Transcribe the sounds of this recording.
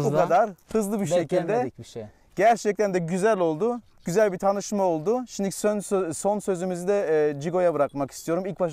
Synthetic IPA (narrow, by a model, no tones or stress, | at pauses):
bukad̪aɾhɯzlˠɯbiɾʃe̞cʰilʲd̪ɛ | ɟ̥æɾt͡ʃʰɛc̚t̪ʰænd̪ɛɟyzælʲo̞lˠd̪ʊ | ɟ̥yzælʲbit̪ʰanɯʃmao̞lˠd̪ʊʃind̪icsnso̞nsø̞zymizid̪ɛːd͡ʒiɡo̞jabɯɾakmakist̪ʰijo̞ɾumilʲcbaʃ